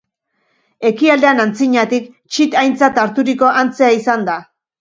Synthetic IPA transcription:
e̞kiald̪e̞anant͡siɲat̪ik | t͡ʃit̪ajnt͡sat̪aɾt̪uɾiko̞ʔant͡se̞aisand̪a

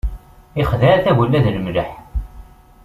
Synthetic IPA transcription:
iχðæɾæθæwəlːæðləmləħ

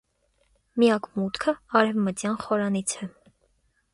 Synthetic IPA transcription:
mijɑkmut̪kʰəɑɾɛvmət̪jɑnχɔɾɑnit͡sʰɛ

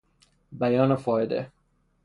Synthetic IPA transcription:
bæjɒːnofɒːjed̪ḛ

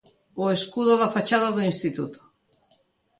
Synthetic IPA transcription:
oeskuðoðafat͡ʃaðaðoĩnst̪it̪ut̪o̥

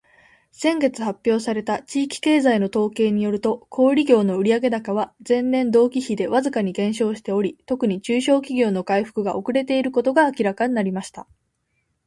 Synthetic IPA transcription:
sẽ̞ŋɡe̞t͡sɨhapʲːjo̞ːsaɾe̞t̪at͡ɕiːkʲi̥ke̞ːzaino̞t̪o̞ːke̞ːɲ̟ijo̞ɾɯ̟t̪o̞kʰo̞ːɾʲiɡʲo̞ːno̞ɯ̟ɾʲiaɡe̞d̪akaβad͡zẽ̞nːẽ̞nd̪o̞ːkʲiçid̪e̞βazɨkaɲ̟iɡẽ̞ɰ̃ɕo̞ːɕi̥t̪e̞o̞ɾʲit̪o̞kɯ̟ɲ̟it͡ɕɨːɕo̞ːkʲiɡʲo̞ːno̞kaiɸɯ̟̥kɯ̟ɡaʔo̞kɯ̟ɾe̞t̪e̞iɾɯ̟ko̞t̪o̞ɡaːkʲiɾakaɲ̟inaɾʲimaɕi̥t̪a

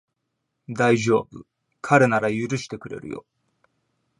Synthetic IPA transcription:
d̪aiʑo̞ːbɯ | kʰaɾe̞naɾajɯ̟ɾɯ̟ɕi̥t̪e̞kɯ̟ɾe̞̰ɾɯ̟̰jo̞̰

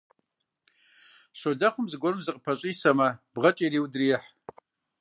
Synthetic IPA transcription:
ɕʷoɮaχʷʊmzɡʷorɨmzɨqʼpʰɐɕʼijsɐmɐb̥ʁɐt͡ʃʼijriːwdriːħ

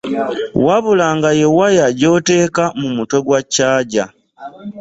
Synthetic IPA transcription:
waβulaːŋɡajewajaɟo̞te̞ːkamumuto̞ɡwacːaːɟa

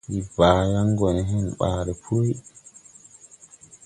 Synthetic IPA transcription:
ʔibaːjaŋɡɔnɛɦɛnɓaːɾɛpʰɾoj

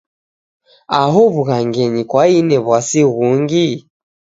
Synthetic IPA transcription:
aɦɔβuɣaŋɡɛɲikwainɛβwasiɣuŋɡi

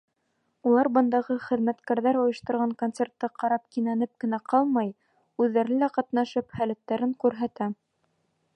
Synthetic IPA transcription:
ulˠɑɾbɤ̆nd̪ɑʁɤχɘ̆ðmæt̪kæɾðæɾŏjɤ̆ʃt̪ɤ̆ɾʁɑŋkont̪sert̪ːɤqɑɾɑp̚kinænɘp̚kɘ̆næqɑlˠmɑj | ʉðːæɾɘlæqɑt̪nɑʃɤphælæt̪ːæɾɘŋkʉɾɦæt̪æ

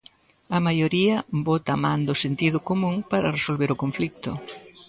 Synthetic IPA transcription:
ɐmajoɾiɐbot̪amãnd̪ʊsent̪iðʊkomũŋpaɾɐresolβeɾʊkoɱflik̚t̪ʊ

